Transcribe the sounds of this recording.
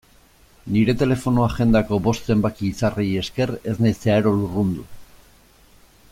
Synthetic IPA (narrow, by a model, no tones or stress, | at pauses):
niɾe̞t̪e̞le̞fo̞noaʝe̞nd̪ako̞bo̞st̪se̞mbakiːsareje̞ske̞re̞znejseaɾo̞lurund̪u